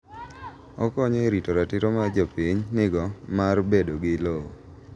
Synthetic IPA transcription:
ɔkɔɲɔeɾitoɾatɪɾomad͡ʒopiɲnɪɡɔmarbedoɡɪloo

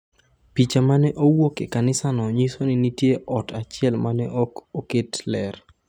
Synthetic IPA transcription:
pit͡ʃamanɛʔowokekanɪsanɔɲisonɪnitjeʔɔtat͡ʃɪɛlmanɛʔokoketlɛr

